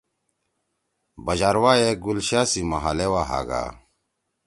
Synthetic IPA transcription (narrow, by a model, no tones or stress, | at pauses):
bɐd͡ʑaɾwajeɡulɕaːsimɐɦalewaɦa̰ɡa̰ː